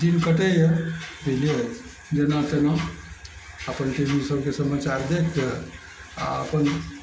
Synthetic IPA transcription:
d̪inkəʈejəbʱeliət͡ʃʰ | d͡ʒenat̪ena | əpənʈebisəbkesəmat͡ʃaɾd̪ekʰə | a̰əpən

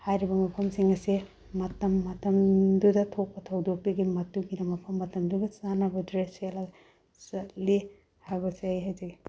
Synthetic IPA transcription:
hajɾibɐmɐpʰɐmsiŋɐsi | mɐtɐmːɐtɐmdudɐtʰok̚pɐtʰɐwdok̚tɐɡimɐtuɡinɐmɐpʰɐmːɐtɐmduɡɐsanabɐdɾesela | sɐli | haɾbɐseajɦajzɐɡi

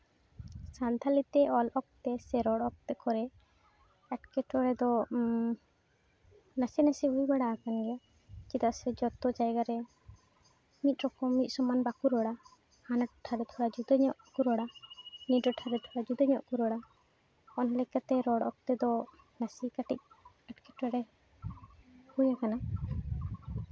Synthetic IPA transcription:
sant̪ʰalit̪ɛɔlʔɔk̚t̪ɛsɛɾɔɽɔk̚t̪ɛkɔɾɛ | ɛʈkɛʈʰɔɾɛd̪ɔ | nasɛnasɛbujbaɽaːkanɡɛja | kid̪aʔsɛd͡ʒɔt̪ɔd͡ʒajɡaɾɛ | mit̪̚ˀɾɔkɔmːit̪̚ˀsɔmanbakuɾɔɽa | hanaʈʈʰaɾɛt̪ʰɔɽad͡ʒud̪ɔɲɔʔkuɾɔɽanit̪̚ˀɾɔʈʰaɾɛt̪ʰɔɽad͡ʒud̪aɲɔʔkuɾɔɽa | ɔnlɛkat̪ɛɾɔɽɔ̰k̚t̪ɛd̪ɔ | nasikaʈic̚ | aʈkɛʈɔɾɛ | hujakana

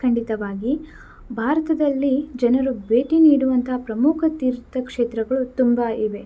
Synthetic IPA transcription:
kʰɐɳɖit̪ɐʋaːɡi | bʱaːɾɐt̪ɐd̪ɐlːid͡ʒɐnɐɾubʱeːʈiniːɽuʋɐnt̪ʰɐɦpɾɐmukʰɐt̪iːɾt̪ɐkʂeːt̪ɾɐɡɐɭut̪umbɐiʋe̞

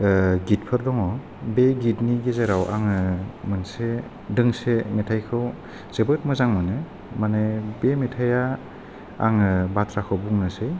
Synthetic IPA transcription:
ɡit̚pʰɯɾdɔŋɔ | beɡitniɡezeɾawʔa̰ŋɯmɯnse | dɯŋsemetʰajkʰɯw | z̥ɯbɯt̚mɯzaŋmɯnɯ | manebemetʰaja | a̰ŋɯbatʰɾakʰɯwbuŋnɯsej

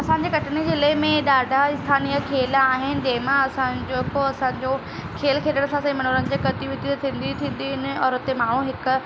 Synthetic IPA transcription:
ɐsãːɲ̆d͡ʑeːkɐʈʰɪnid͡ʑelɐɦɪmẽɗaːɖʱaɪst̪ʰaːnijakʰeːlaːɦɪnɪ̆d͡ʑɐ̃ɦɪ̃mãɐsãd͡ʑoːkoɐsãːɲd͡ʑo | kʰeːlkʰeːʈəɽ̃ɐsãsãĩmɐnoːlənɪ̆d͡ʑekɐt̪iʋɪt̪it̪ʰĩːn̆d̪it̪ʰĩːn̆d̪ɪɦʊnɪ̆ɔːɾʊt̪emaːɽ̃ũɦɪkʊ

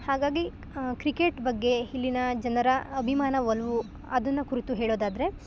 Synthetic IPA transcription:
haːɡaːɡi | kɾikeʈbɐɡːe̞hilːinɐd͡ʒɐnɐɾɐɐbʱimaːnɐʋɐlʋu | ɐd̪ɐnːɐkuɾit̪uɦeːɭoːd̪aːd̪ɐɾe̞

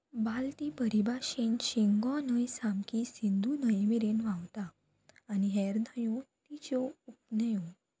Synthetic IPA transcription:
balt̪ibəɾibaɕenɕiŋɡɔ̃nəjsamkisind̪ʱunəjmiɾenʋãwt̪aː | niɦɛɾd̪ʱəjot̪it͡ɕɔupnəjo

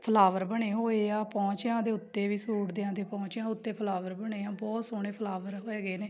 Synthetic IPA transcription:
pʰəlaːʋəɾbəɳeːɦoːeːaːpɔ̃ːt͡ʃjãːd̪eːʊt̪ːeːʋiːsuːʈd̪eãːd̪eːpɔ̃ːt͡ʃãːʊt̪ːeːpʰəlaːʋəɾbəɳeːãːbɔːt̪soːɳ̃eːpʰəlaːʋəɾɦoːeːɡeːneː

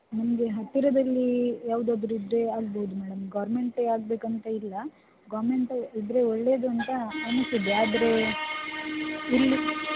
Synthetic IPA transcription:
nɐmɐɡe̞ɦɐt̪ːiɾɐd̪ɐlːijaːʋud̪ɐd̪ɾuid̪ɾe̞aːɡboud̪umɛːɽɐmɡaːɾme̞ɳʈɐaːɡ̚be̞ːkɐnt̪ɐilːɐ | ɡaːɾmeɳʈɐid̪ɾe̞oɭːe̞ːd̪uɐnt̪ɐaːnɐsid̪eaːd̪ɾe̞ | ilːi

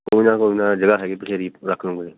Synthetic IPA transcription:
koːiːnãːkoːinãːd͡ʒəɡaːɦɛːɡepɪʃʰeːɾiːɾəkʰnõːɡəeː

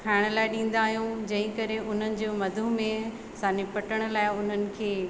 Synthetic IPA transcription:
kʰaːɪɽ̃laːɪɗĩːn̆d̪aːɦijũd͡ʑɐ̃ɦɪ̃kɐɾeʔʊn̤ənɪ̆d͡ʑoːmɐd̪ʱumẽ | sãːɲd͡ʑepɐʈəɽ̃ə̆laːɪʊn̤ənɪ̆kʰeː

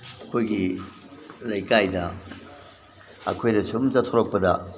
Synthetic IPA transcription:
ɐkʰojɡi | lɐjkajdɐ | ɐ̰kʰojnɐsumzɐtʰoɾok̚pɐdɐ

